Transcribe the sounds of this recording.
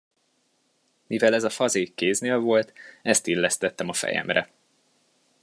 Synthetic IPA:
mivɛlɛzɒfɒzeːkːeːzneːlvo̞lt̪ɛst̪ilːɛst̪ɛt̪ːɛmɒfɛ̰jɛ̰mrɛ̰

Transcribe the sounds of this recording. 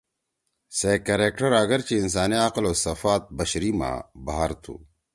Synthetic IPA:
seːkɐɾeːkʈɐɾɐɡɐɾt͡ɕiːns̬aːniaːqɪloːsɐfaːt̪̚bɐɕɾimã̰ːbaɦaɾt̪ʰṵː

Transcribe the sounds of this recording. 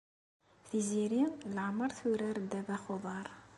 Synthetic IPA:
θiziɾiləʕməɾˤθuɾæɾd̪ævæχoðˤɑɾˤ

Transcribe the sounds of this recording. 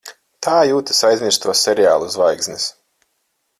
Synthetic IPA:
t̪ʰaːjuːt̪ɨ̥sajzʲmʲiɾst̪uɔsɛɾjaːlˠuuzvajɡzʲnɨs

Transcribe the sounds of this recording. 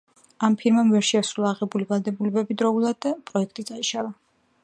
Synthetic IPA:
ampʰiɾmamvɛɾʃiasɾulˠaːʁɛbulivalˠd̪ɛbulɛbɛbid̪ɾɔulˠad̪d̪apʼɾɔɛk̚ʰt̪ʼid̪sʼaiʃalˠa

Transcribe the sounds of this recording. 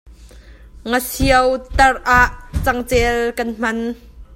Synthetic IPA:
ŋəsiəwt̪ɐrʔaːʔt͡sɐŋt͡sɛːlkɐnm̥ɐn

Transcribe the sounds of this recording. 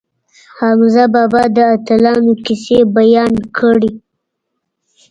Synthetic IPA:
hamzabɑbɑd̪əat̪alɑnokɪsebajɑnkʰəɽi

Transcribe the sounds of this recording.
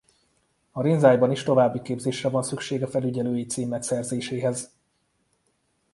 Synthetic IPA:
ɒɾinzaːjbɒniʃt̪o̞vaːbːikeːbzeːʃrɛvɒnsykʃeːɡɒfɛlyɟɛløːjit̪siːmːɛksɛrzeːʃeːɦɛz

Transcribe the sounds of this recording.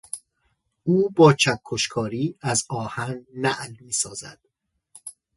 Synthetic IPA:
ʔuːbɒːt͡ʃʰækʰːoʃkʰɒːɾiːæzɒːhænnæʔlmiːsɒːzæ̰d̪̥

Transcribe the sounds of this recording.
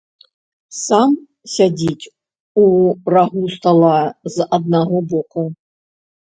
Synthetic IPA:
sam | sʲad͡zʲit͡sʲ | uraɣust̪alˠazɐd̪̚naɦɔbɔku

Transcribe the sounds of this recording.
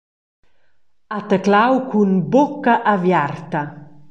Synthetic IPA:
at̪əklawkunbokaʔavjart̪ɐ

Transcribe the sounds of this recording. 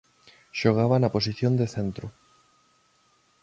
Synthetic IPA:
ʃoɣ̞aβanaposiθjõnd̪eθent̪ɾʊ

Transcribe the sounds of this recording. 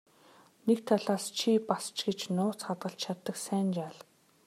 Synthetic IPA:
nekt̪ʰaɮaːst͡ɕʰipast͡ɕɡet͡ɕnʊːt͡sχat̪ɢə̆ɬt͡ɕt͡ɕʰat̪ːə̆ksæːnt͡ɕaːɮ

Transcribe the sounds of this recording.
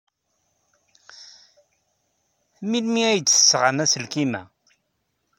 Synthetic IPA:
milmiæjəd̪t͡sə̥sːʁanæsəlkimæ̰

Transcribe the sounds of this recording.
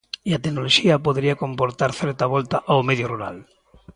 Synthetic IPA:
iat̪enoloʃiɐpoðɾiakompoɾt̪aɾθɛɾt̪aβɔlt̪aʔawmeðjoruɾa̰l

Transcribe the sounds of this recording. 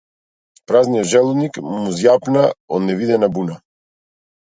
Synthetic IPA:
pɾaznijɔt̪ʒɛlˠunikmuzjapnaɔ̰d̪nɛvid̪ɛnabuna

